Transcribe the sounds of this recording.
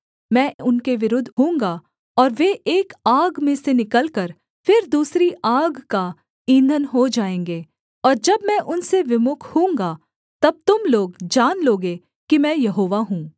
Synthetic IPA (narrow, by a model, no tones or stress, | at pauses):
mɛ̃ːʊnkeʋɪɾʊd̪ʱɦũːŋɡa | ɔːɾʋeʔeːkaːɡmẽsenɪkəlkəɾ | fʰɪɾd̪uːsɾiʔaːɡka | ĩːnd̪ʱənɦod͡ʒaːẽːŋɡeː | ɔːɾd͡ʒɐbmɛ̃ːʔʊnseʋɪmʊkʰhũːŋɡa | t̪ɐb̚t̪ʊmloːɡd͡ʒaːnloːɡe | kimɛ̃ːjɐɦoːʋaɦũː